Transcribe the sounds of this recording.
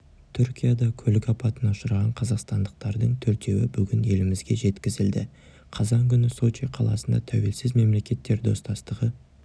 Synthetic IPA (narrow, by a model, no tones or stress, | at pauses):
t̪ʰʏɾkʲijad̪ɑkʲʰɵlɪkɑpɑt̪ənɑʊʃəɾʁɑɴqʰɑzɑqst̪ɑnd̪əq̚t̪ɑɾd̪əɴt̪ʰɵɾt̪e̞wɪbʏɡʲɪne̞lɪmɪzɡʲe̞ʒe̞t̪kʲɪzɪld̪ɪ̰ | qʰɑzɑŋkʲʏnɪsot͡ʃiqʰɑlˠɑ̰sənd̪ɑ̰t̪ʰæwe̞lsɪzme̞mle̞kʲe̞t̪ːe̞ɾd̪o̞st̪ɑst̪əʁə